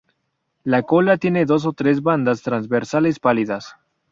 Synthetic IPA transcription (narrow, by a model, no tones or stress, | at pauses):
lako̞lat̪je̞ne̞ðo̞s̬ot̪ɾe̞zβand̪ast̪ɾanzβeɾsalespaliðas